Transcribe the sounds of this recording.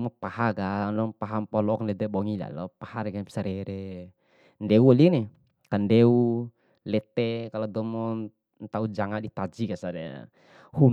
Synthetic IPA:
mɔpahaɡanlɔŋpaɦampɔlɔkndɛd̪ɛbɔŋila̰lɔpahaɾɛɡasaɾɛɾɛ | ndɛualinɛ | kandɛu | lɛt̪ɛkalɔd̪ɔmɔ | nt̪aud͡ʒaŋaʔdit̪ad͡ʒiɡasaɾɛ | hun

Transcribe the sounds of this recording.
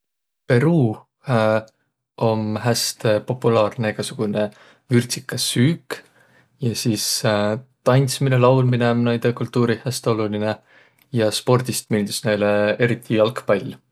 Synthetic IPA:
pe̞ɾuː | o̞mɦæst̪epo̞pːˑulɑːrne̞eɡ̥ɑsuɡ̥une̞ | vyrt̪sikːˑɑsyːk | jɑsiːst̪ɑjnʲt̪sminelɑwlminemnɑjd̪̥ekult̪ːuːɾihæst̪eo̞luline | jɑspo̞rd̪̥ist̪milʲd̪̥isnejle̞e̞ɾit̪ʰˑːiɑlkpɑlʲː

